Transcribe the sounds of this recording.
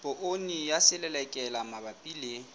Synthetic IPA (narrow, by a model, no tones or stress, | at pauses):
pʼoʔonijasɪlɛlɛkʼɛlamabapʼile